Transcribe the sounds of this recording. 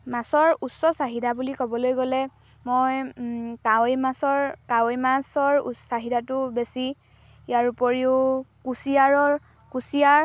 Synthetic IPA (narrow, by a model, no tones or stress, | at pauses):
masɔɹusːɔsaɦidabulikɔbɔlojɡolɛ | mojkajmasɔɹkajmasɔɹsaɦidatʊbesi | ijaɹupoɹiʊkusiaɹɔɹ | kusiaɹ